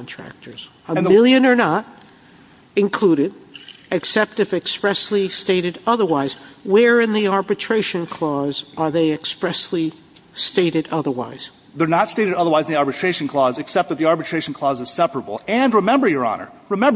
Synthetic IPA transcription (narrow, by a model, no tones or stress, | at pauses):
kntʰɹ̥æ̰k̚tʰə˞z̥ | əmmɪlˠjɨ̃nə˞nəɾ | ɨ̃nkʰl̥uɾɨɾɨksɛp̚tɨfɨkspɹɛslisteɪɾɨɾʌðə˞waɪzwə˞ɪ̃nðiɑɹbɨtʰɹ̥eɪʃɨ̃nkʰl̥ɔzə˞ðeɪɨkspɹɛsli | steɪɾɨɾʌðə˞wa̰ɪz̥ | ðə˞nətsteɪɾɨɾʌðə˞waɪzn̩ðiɑɹbɨtʰɹ̥eɪʃn̩kʰl̥ɔzɨksɛp̚t̚ðɨt̪̚ðiɑɹbɨtʰɹ̥eɪʃn̩kʰl̥ɔzɨz̥sɛpəɹəbl̩ˠɨ̃nɹɨmɛ̃mbə˞jə˞ɑ̰nə̰˞ | ɹɨmɛ̃mb